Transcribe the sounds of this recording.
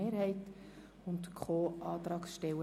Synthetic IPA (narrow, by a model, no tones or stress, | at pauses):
eːɾhɛɪt | ʊntkʰχoːʔɑːt̪ɾɑːksʃtɛwə